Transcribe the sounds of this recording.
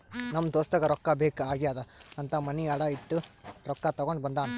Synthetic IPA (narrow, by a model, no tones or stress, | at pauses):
nɐmːd̪oːst̪ɐɡɐɾɔkːɐbeːkaːɡijaːd̪ɐɐnt̪ʰɐmɐniɐɽɐiʈːuɾɔkːɐt̪ɐɡoɳɖbɐnd̪aːnɐ